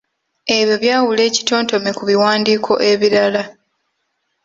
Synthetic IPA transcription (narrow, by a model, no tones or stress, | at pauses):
e̞βjo̞βjaːwule̞ːci̥to̞ːnto̞me̞kuβiwaːndiːkʰo̞ʔe̞βiɾala